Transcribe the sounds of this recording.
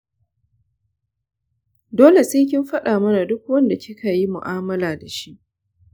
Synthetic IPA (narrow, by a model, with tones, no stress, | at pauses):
doː˦le˨seː˦k̬ʲɪ˦mɸɐ˦ɗaː˨mɐ˦na˨dʊ˦k̚wɐ˦nda˨kʲʰɪ˦kʰa˨ji˦mʊ̰˨ʔaː˦mɐ˦laː˨da˨ʃi˦ʔ